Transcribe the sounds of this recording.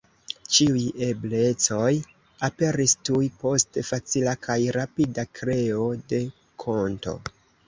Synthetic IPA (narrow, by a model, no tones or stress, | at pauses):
t͡ʃiuje̞ble̞t͡so̞j | ape̞ɾistujpo̞stefat͡silakʰajɾapidakɾe̞o̞de̞ | kʰo̞nto̞̰